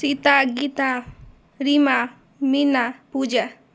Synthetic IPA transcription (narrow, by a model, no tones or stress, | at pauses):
sɪt̪aɡɪt̪a | ɾɪma | mɪnapʊd͡ʒa